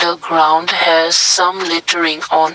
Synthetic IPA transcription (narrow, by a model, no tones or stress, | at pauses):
əɡɹãʊ̃ndhɛz̥sãmlɪtʰəɹɪ̃ŋɔ̃n